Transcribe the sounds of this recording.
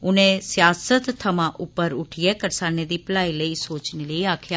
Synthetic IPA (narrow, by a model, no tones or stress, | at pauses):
ʊnẽːsjaːsət̪t̪ʰːəmãːʔʊpːəɾʊʈʰɪjeːkəɾsaːneːd̪iːpəlaːiːləiːsoːt͡ʃneːləiːaːkʰjaː